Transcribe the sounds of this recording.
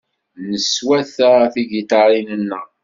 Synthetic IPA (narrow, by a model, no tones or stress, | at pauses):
nəswæθəθiɡit̪ɑɾˤinənːə